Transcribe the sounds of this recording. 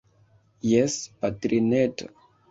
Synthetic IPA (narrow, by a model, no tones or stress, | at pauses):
jɛspatɾinɛt